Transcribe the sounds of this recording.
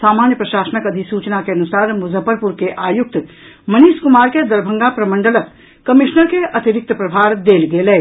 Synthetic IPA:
saːmaːnjəpɾɐʃaːsənəkɐd̪ʱisuːt͡ʃnakeɐnusaːɾmʊzʱəpəɾpuɾkeʔaːjʊk̚t̪ | mɐniːskʊmaːɾked̪ɐɾbʱə̃ŋɡapɾɐmə̃ɳɖələk | kɐmɪʃnəɾkeʔɐt̪iɾɪk̚t̪əpɾɐbʱaːɾd̪eːlɡeleː

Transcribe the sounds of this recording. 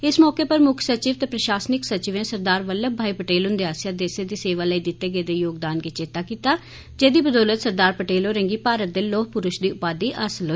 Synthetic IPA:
ɪsmɔːkeːpəɾmʊkʰsət͡ʃiːʋt̪eːpɾəʃaːsnɪksət͡ʃɪʋẽːsəɾd̪aːɾʋəlːəbʱaːiːpəʈeːlɦʊ̃nd̪eːaːsjaːd̪eːseːd̪iːseːʋaːləiːd̪ɪt̪ːeːɡeːd̪eːjoːɡd̪aːnɡeːt͡ʃeːt̪aːkiːt̪aː | d͡ʒeːd̪iːbəd̪ɔːlət̪səɾd̪aːɾpəʈeːlɦoːɾẽːŋɡiːpaːɾət̪̚d̪eːloːkpʊɾʊʃd̪iːʊpaːd̪iːʔəsəlɦoː

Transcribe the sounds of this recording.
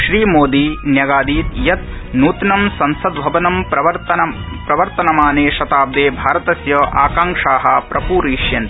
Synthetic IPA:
ʃɾiːmoːd̪iːnjɐɡaːd̪iːt̪jɐt̪̚ | nuːt̪nɐmsɐnsɐd̪bʱɐʋɐnɐmpɾɐʋɐt̪ɐɐ | pɾɐʋɐɾt̪ɐnɐmaːneːʃɐt̪aːb̚d̪eːbʱaːɾɐt̪ɐsjɐʔaːkaːŋkʂaːɦɐpɾɐpuːɾiːʃjɐnt̪

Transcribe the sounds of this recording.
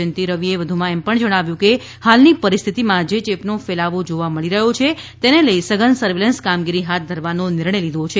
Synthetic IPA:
ənt̪iɾəʋieʋəd̪ʱumãɛmpəɳd͡ʒəɽ̃aʋjũke | halnipəɾist̪ʰit̪imãd͡ʒet͡ʃepnofelaʋod͡ʒoʋaməɭiɾəɦot͡ʃʰet̪eneləisəɡənsəɾʋelənskamɡiɾiɦat̪̚ʰd̪ʱəɾʋanonɪɾɳəjlid̪ʱot͡ʃʰe

